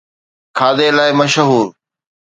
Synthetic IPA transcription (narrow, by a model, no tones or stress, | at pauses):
kʰaːd̪eːlaːɪməʃɦuːɾ